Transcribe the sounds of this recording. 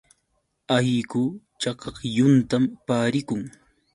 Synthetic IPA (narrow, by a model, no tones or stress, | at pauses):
ajkʊ | t͡ʃɑkɑχjʊnt̪ampaːɾɪkʊŋ